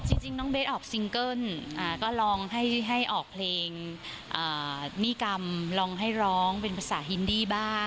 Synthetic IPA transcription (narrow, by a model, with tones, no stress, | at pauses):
t͡ɕi˧ŋt͡ɕi˧ŋnɔː˦˥ŋbe˦˥ʔɔː˨˩k̚si˧ŋkɤ˥˩nʔaː˨˩kɔː˥˩lɔː˧ŋɦa˥˩jɦa˥˩jʔɔː˨˩k̚pʰleː˧ŋ | ʔaː˨˩niː˥˩ka˧mlɔː˧ŋɦa˥˩jɾɔː˦˥ŋpe˧npʰa˧˥sa̰ː˩˦ɦi˧˥ndiː˧˩baː˥˩